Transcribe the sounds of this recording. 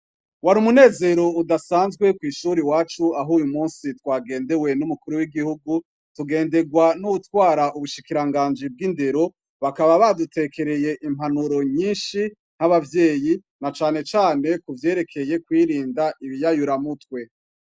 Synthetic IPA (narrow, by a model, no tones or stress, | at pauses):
waɾumune̞ːze̞ɾo̞udasaːnzɡwe̞kwiːʃuːɾiwaːt͡ʃuaɦuːjumuːnsitwaːɡe̞ːnde̞we̞numukuɾuwiɡihuɡu | tuɡe̞ːnde̞ɡwanuutwaːɾaʔuβuʃikiɾaŋɡaːnd͡ʒib̚ɡinde̞ɾo̞ | βakaβaβadute̞kʰe̞ɾe̞je̞ʔim̥hanuɾo̞ɲiːnʃi | n̥haβavje̞ːji | nat͡ʃaːne̞t͡ʃaːne̞kuvje̞ːɾe̞kʰe̞je̞kwiːɾiːndaʔiβijajuɾamutwe̞